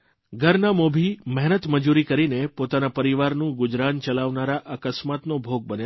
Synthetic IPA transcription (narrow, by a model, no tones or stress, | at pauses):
ɡʱəɾnamobʱimɛɦnət̪məd͡ʒuɾikəɾinepot̪anapəɾiʋaɾnũɡʊd͡ʒɾant͡ʃəlaʋnaɾaʔəkəsmat̪nobʱoɡ̚bəne